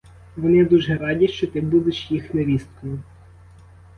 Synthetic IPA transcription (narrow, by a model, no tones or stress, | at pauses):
ʋɔnɪd̪uʒɛɾɑdʲiʃt͡ʃɔt̪ɪbud̪eʃjixneʋʲist̪kɔjʊ